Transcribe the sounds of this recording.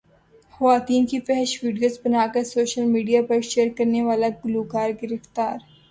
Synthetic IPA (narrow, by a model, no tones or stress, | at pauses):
xɐʋaːt̪iːnkifɛɦɛʃʋiːɖijoːzbɐnaːkɐɾsoːʃəlmiːɖijapɐɾʃeːɾkɐɾneʋaːlaɡʊluːkaːɾɡɪɾɪft̪aːɾ